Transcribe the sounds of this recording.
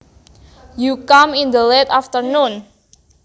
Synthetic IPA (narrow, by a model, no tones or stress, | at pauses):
jukamind̪əlet̪aft̪ərnun